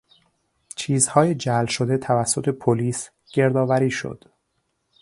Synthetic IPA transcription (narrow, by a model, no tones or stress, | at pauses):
t͡ʃʰiːzhɒːjed͡ʒælʃod̪et̪ʰævæsːo̞t̪ʰepʰoliːs | ɟ̥e̞ɾd̪ɒːvæɾiːʃo̰d̪̥